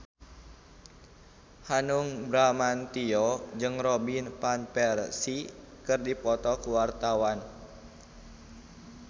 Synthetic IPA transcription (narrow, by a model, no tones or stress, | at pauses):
hanuŋbɾamant̪iɔd͡ʒɨŋrɔbinpanpɛrsikɨrdipɔt̪ɔkuwart̪awan